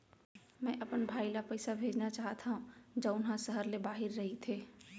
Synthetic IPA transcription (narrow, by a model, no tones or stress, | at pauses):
mɛ̃ːʔɐpənbʱaːilapɛːsabʱeːd͡ʒnat͡ʃaːɦt̪ʰaɦũd͡ʒɐʊnɦãsəɦəɾlebaːɦɪɾːɐɦit̪ʰeː